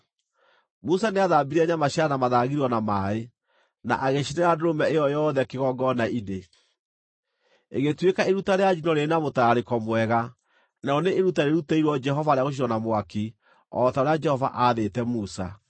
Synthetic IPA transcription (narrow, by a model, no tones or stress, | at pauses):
musaneaðaːbiɾiaɲamaɕanamaðaɣiɾiɔnamae | na̰ʔaɣeɕinɛɾandoɾomɛejɔjɔðɛkeɣɔɡɔnaine | eɣetwekaeɾutaɾead͡ʒinɔɾenamotaɾekɔmwɛɣa | naɔneʔːɾutaɾeɾutaiɾwɔd͡ʒɛɦɔvaɾejaɣoʃ̬iɾɔnamwaki | ɔtaoɾead͡ʒɛhɔva̰ʔaːðetɛmusa̰